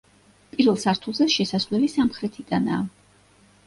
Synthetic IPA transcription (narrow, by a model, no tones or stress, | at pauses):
pʼiɾvɛlˠsaɾt̪ʰulˠzɛʃɛsaslɛlisamχɾɛt̪ʰid̪anaː